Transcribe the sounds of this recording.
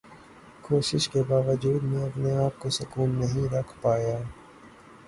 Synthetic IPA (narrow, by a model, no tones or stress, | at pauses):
koːʃɪʃkebaːʋəd͡ʒuːd̪mẽɐpneaːp̚kosʊkuːnːɐɦĩɾɐkʰpaːjaː